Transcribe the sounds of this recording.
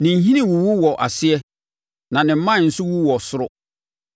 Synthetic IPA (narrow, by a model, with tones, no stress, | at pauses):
nɪ̃˨n̩˦ɦĩ˦nĩ˨wu˨wu˦wɔ˨ʔa˨sɪ˦ɛ˦ | nã˨nɪ̃˨m̩˦mã˦˨n̩˨sʊ˦wu˦wɔ˨sʊ˦ɾʊ˦